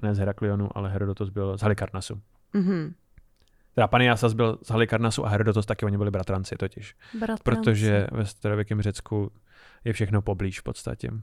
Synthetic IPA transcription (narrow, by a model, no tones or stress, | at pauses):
nɛːzɦɛɾaklɪonuʔa̰lɛɦɛɾodot̪osbɪlzɦalɪkaɾnasu | ɦ̩ | t̪ɛɾapanɪjasazbɪlzɦalɪkaɾnasuʔaɦɛɾodot̪ost̪akɪoɲɪbɪlɪbɾat̪ɾant͡sɪt̪ocɪʃpɾot̪oʒɛvɛst̪aɾovjɛkɛmrɛt͡sku | jɛfʃɛxnopo̞bliːʃfpo̞t̪st̪a̰cɛ̰